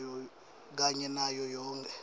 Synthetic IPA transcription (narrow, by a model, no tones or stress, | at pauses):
jɔ | k̬aɲɛnajɔjɔːŋkʰʼɛ